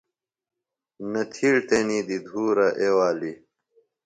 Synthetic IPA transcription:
nɐt̪ʰiɽt̪eniːd̪id̪ʱuːɾɐʔewaːli

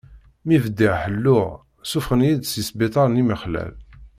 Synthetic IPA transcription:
mivəd̪iʕħəlːʊʁ | sufχənjid̪sisbit̪ˤɑɾˤniməχlæ̰l

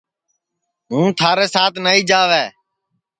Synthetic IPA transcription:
ɦũːt̪ʰaːɾeːsaːt̪ʰnaːiːd͡ʒaːʋeː

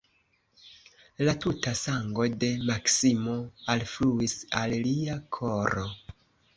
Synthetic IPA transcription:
latutasaŋɡo̞de̞maksimo̞alfluisalliakʰo̞ɾo

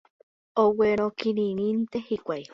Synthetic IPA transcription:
oweɾ̃okiɾiɾĩnt̪ehikʷaj

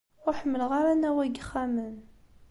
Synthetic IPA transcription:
ʊɾħəmːəlʁaɾanæwæɡəχːæmən

